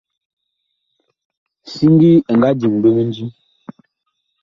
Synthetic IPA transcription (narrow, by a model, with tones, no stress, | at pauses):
si˦ŋ˦ɡi˦˨ŋ˨ɡa˦d͡ʒi˨ŋbe˦me˦n̩˦d͡ʒi˦